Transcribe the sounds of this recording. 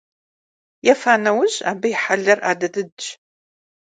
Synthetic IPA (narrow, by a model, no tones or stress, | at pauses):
jɛfaːnɐwʊʑa̰ːbɨjɪħaɮɐrʔa̰ːdɐdɨdt͡ʃ